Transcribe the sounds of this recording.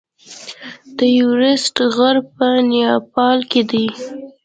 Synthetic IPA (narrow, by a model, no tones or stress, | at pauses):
d̪̥əjuɾɪsʈɣaɾpənjɑpɑlked̪ij